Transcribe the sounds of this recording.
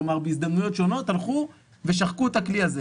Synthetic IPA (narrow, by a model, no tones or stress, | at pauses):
omaʁbeizd̪amnujo̞tʃo̞no̞t̪halχu | veʃaχkuetakliaze